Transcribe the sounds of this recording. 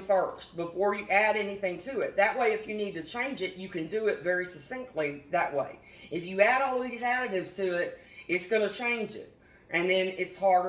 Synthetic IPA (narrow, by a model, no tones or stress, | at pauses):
fɜ˞st̚b̥əfɔɹjɨʔæɾɛniθɪ̃ŋtʰɨɪt̪̚ðɨʔ̚weɪɨfjɨnid̚tɨt͡ʃʰẽɪ̃nd͡ʒɨt͡ʃɨkɨ̃ndɨɪtvɛɹisɨsɪ̃ŋ̚tʰˡliðɨʔ̚weɪ | ɨfjɨæɾɔlˠʌvðizæɾɨɾɪvz̥tʰɨɪt̚ | ɨtsɡ̥ʌnɨt͡ʃʰẽɪ̃nd͡ʒɪ̰ɾ̚ | ʔɨ̃nðɨ̃nɪtshɑɹɾ